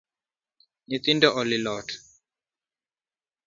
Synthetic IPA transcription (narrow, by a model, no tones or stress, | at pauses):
nit̪indɔʔɔlilɔt